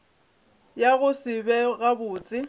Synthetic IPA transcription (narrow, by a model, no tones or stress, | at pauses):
jaɣʊsɪbɛɣabʊːt͡sʼɪ